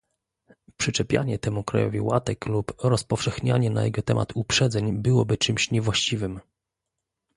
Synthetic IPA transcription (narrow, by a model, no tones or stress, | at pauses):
pʂɘt͡ʂɛpʲja̰ɲɛt̪ɛmukɾa̰jɔ̰vʲiwa̰t̪ɛklupɾɔspɔfʂɛxɲaɲɛna̰jɛɡɔt̪ɛmʔa̰t̪ʰupʂɛd̪zɛɲbɘwɔbɘt͡ʂɘmɕɲɛvwaɕt͡ɕivɘm